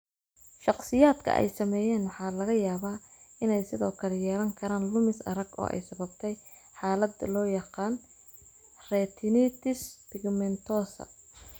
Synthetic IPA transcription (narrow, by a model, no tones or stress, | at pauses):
ʃɑqsɪjaːd̪kʰɐ̰ʔɛ̰jsɐmɛːjɛːnwɑħɑːlɐɣɐjaːβaː | ɪnɛjsɪðɔːkʰɐlɛjɛːlɐŋkʰɐɾaːnlʊmɪsɐ̰ɾɐɡɔ̰ːʔɛ̰jsɐβɐbt̪ʰɛj | ħɑːlɐd̪lɔːjɑqɑːn | rɛːt̪ʰɪnɪt̪ʰɪspɪɡmɛnt̪ʰɔːsɐ̰